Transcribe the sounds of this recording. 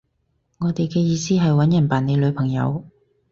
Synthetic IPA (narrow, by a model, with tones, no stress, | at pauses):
ŋɔː˨˧t̪e˨jkɛː˧jiː˨˧siː˥ɦɐ˨jwɐ˨˥njɐ˨˩npaː˨˩ne˨˧jlɵ˨˧ɥpʰɐ˨˩ŋjɐ̰˨˧w